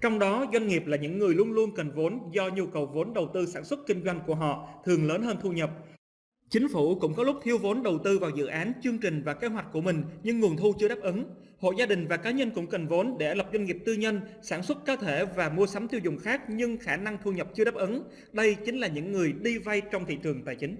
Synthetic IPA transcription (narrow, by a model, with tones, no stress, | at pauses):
t͡ɕɔ˧wŋ͡mɗɔ˨˦zwa˧jŋ̟ŋi˨˩p̚laː˨˩ɲɨ̰˧˥ŋːɨ˨˩əjlu˧ənlu˧ənkə˨˩nvo˨˦nzɔ˧ɲi˧əwkə˨˩wvo˨˦nɗə˨˩wt̪ɨ˧saː˧˩nswə˦˥t̚kï˧ŋ̟zwa˧jŋ̟ku˧˩əɦɔ̰˧˨t̪ʰɨ˨˩əŋləː˨˦nɦəː˧nt̪ʰu˧ɲə˨˩p̚ | t͡ɕï˨˦ŋ̟fu˧˩kʊ̰˧˥ŋ͡mkɔ˨˦lʊ˦˥k͡p̚t̪ʰi˧əwvo˨˦nɗə˨˩wt̪ɨ˧vaː˨˩wzɨ̰˧˨ʔaː˨˦nt͡ɕɨ˧əŋt͡ɕï˨˩ŋ̟vaː˨˩ke˨˦ɦwa˨˩k̟̚ku˧˩əmï˨˩ŋ̟ɲɨ˧ŋːu˨˩ənt̪ʰu˧t͡ɕɨ˧əɗaː˦˥p̚ʔə˨˦n | ho̰˧˨zaː˧ɗï˨˩ŋ̟vaː˨˩kaː˨˦ɲə˧nkʊ̰˧˥ŋ͡mkə˨˩nvo˨˦nɗe˧˩˧lə˨˩p̚zwa˧jŋ̟ŋi˨˩əp̚t̪ɨ˧ɲə˧nsaː˧˩nswə˦˥t̚kəː˨˦t̪ʰe˧˩vaː˨˩mu˧əsa˨˦mt̪i˧wzʊ̰˨˩ŋ͡mxaː˦˥k̚ɲɨ˧ŋxaː˧˩na˧ŋt̪ʰu˧ɲə˨˩p̚t͡ɕɨ˧ɗaː˦˥p̚ʔə˨˦n | ɗə˧jt͡ɕï˨˦ŋ̟laː˨˩ɲɨ̰˧˥ŋːɨ˨˩əjɗi˧va˧jt͡ɕɔ˧wŋ͡mt̪ʰḭ˧˨t͡ɕɨ˨˩əŋt̪a̰ː˧˨jt͡ɕï˨˦ŋ̟